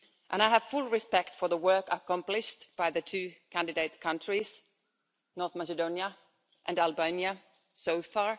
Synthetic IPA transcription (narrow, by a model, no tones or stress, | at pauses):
ʔə̃ɾ̃aɪɨv̥fʊlˠɹɪspɛktfə˞ðəwɜ˞kəkʌ̃mplɪʃtb̥aɪðɨtʰʉːkʰæ̃ndɨdeɪt̚kʰʌ̃ntɹ̥iz̥ | nɔɹθmæsɨdõʊ̃njə | ʔɨ̃nælˠbẽnjə | soʊfɑɹ